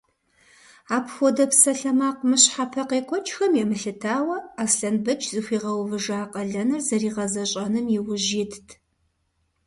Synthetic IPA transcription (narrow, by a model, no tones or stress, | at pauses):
aːpxʷɔdɐpʰsɐɬɐmaːqʷmɨɕħapʰɐqeːkʷʰɔt͡ʃʰʼxɐmjɛmɨɬɨtʰaːwɐaːsɬɐnbɨt͡ʃʰzɨxʷiːʁɐwvɨʒaːqʼɐɮɐnɨrzɐriːʁɐzɐɕʼɐnɨmjɪwʊʒitʰtʰ